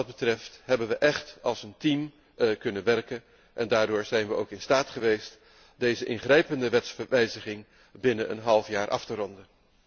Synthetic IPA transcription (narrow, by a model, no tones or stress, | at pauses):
ɑd̚bətrɛftɦɛbənʋəʔɛχtɑlˠsəntim | kɵnənʋɛrkən | ʔɛndaːɹdʊːɹzɛjnʋəo̰wkɪnstaːtχəʋejst | dejzəʔɪnχrɛjpəndəʋɛtsfəɹʋɛjzəχɪŋ | bɪnənə̰nɦɑlˠfjaːɹʔɑ̰ftərɔndən